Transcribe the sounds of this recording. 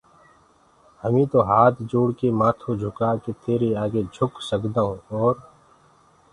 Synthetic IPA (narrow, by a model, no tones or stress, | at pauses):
həmĩt̪oɦaːt̪ʰd͡ʒoːɽkemaːt̪ʰod͡ʒʱʊkaket̪eːɾeaːɡed͡ʒʱʊksəkd̪aːɦũɔːɾ